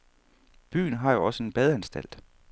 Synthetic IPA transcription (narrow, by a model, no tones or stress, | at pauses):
b̥y̰ːn̩ɦɑ̈jo̝ɒ̽səe̝nb̥ɛð̞ˠænsd̥æl̰d̥